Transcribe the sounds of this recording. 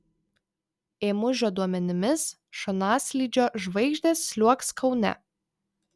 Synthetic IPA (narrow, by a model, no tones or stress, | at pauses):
eːmʊʒʲoːd̪uɔmʲɛnʲɪmʲɪs | ʃɔnɑːsʲlʲiːd͡ʒʲoːʒʋɐɪɡʒʲd̪ʲeːsːʲlʲuɔkskʰɒʊnʲɛ̰